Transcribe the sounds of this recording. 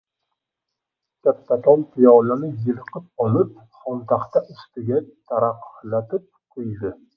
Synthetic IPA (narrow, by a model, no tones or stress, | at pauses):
kʲat̪ːat̪ʰɒlˠpʰɪjɒlanɪjɨlqɨp̚ɒlˠɪp̚ | χɒnt̪ʰaχt̪aʔʊst̪ɪɡʲat̪ʰaɾaqːlat̪ɪp̚qʰʊjd̪ɪ